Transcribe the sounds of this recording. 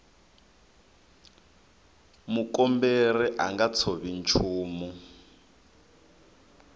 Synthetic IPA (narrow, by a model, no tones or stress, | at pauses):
mukɔmberɛʔaŋɡat͡sʰoβint͡ʃʰuːmu